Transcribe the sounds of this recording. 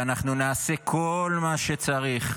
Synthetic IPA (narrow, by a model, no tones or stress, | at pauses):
anaχnunaːse̞kʰo̞lmaʃe̞t͡saʁiχ